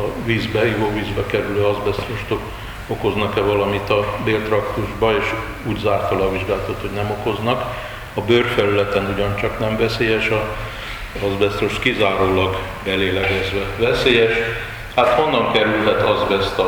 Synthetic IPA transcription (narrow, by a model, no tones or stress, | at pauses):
ɒviːzbɛijoːviːzbɛkɛɾyløːɒzbɛst̪roʃt̪ok | oko̞znɒkɛvɒlɒmit̪ɒbeːlt̪rɒkt̪uʒbɒeːʃ | uːɟzaːrt̪ɒlɒviʒɡaːlt̪ɒt̪ho̞ɟnɛmo̞ko̞znɒk | ɒbørfɛlylɛt̪ɛnuɟɒnt͡ʃɒknɛɱvɛseːjɛʃɒ | ɒzbɛst̪ɾoʃt̪kizaːɾoːlɒɡ | bɛleːlɛɡɛzʋɛvɛseːjɛʃ | hat̪honːɒŋkɛɾylɦɛt̪ɒzbɛst̪